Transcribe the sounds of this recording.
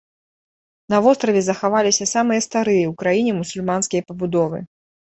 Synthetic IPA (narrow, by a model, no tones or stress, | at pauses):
nɐvɔst̪ɾɐvʲɛzɐxavalʲisʲɐsamɨjɐst̪aɾɨjɐwkɾajinʲɛmusulʲmanskʲijɐpɐbud̪ɔvɨ̰